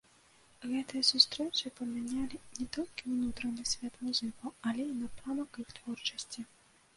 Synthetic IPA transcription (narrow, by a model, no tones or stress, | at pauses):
ɣɛt̪ɪjsʊst̪ɾɛwt͡ʃɪpɔmʲinʲalʲɪnʲɛt̪ɔlʲkʲɪwnut̪ɾɔnɪsʲʋʲat̪mʊzɪkɔalʲɛinɐpɾamɔkɪxt̪ʋɔrt͡ʃɔsʲtʲi